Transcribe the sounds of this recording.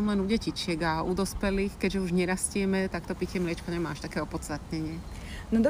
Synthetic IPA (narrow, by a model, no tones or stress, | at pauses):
amlɛnuɟɛcit͡ʃɪɛɡaud̪ɔspɛliːxkɛɟʒɛuʒɲɛɾascɪɛmɛt̪akt̪ɔpicɛmlɪɛt͡ʃkɔɲɛmaːaʃt̪akɛːɔpɔt̪t͡st̪at̪ɲɛɲɪɛ | nɔd̪ɔ